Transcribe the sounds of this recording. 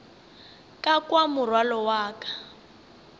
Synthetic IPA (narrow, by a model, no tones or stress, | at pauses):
kʼakwamʊrwalɔwaːkḁ